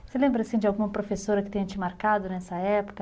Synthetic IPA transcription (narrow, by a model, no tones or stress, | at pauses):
selẽmbɾɐasĩd͡ʒɪawɡũmɐpɾofesoɾɐkɪt̪ẽɐt͡ʃɪmaɾkad̪ʊnɛsɐɛpo̥kɐ